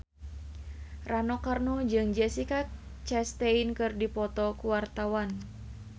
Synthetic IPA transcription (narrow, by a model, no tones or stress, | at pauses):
ranɔkarnud͡ʒɨŋd͡ʒɛsikat͡ʃɛst̪einkɨrdipɔt̪ɔkuwart̪awan